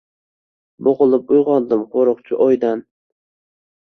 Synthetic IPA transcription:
boʁʊlˠɪp̚ʊjʁɒnd̪ɪmqʰoɾɨqt͡ʃʰɪʔɒjd̪an

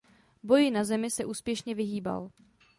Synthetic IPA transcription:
bo̞jɪnazɛmɪsɛʔuːspjɛʃɲɛvɪɦiːba̰l

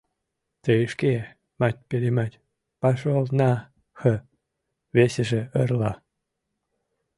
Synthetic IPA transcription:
t̪əʃke | mat̪ʲpelʲemat̪ʲ | pɑʃolnɑ | xə | βeseʒeərlɑ

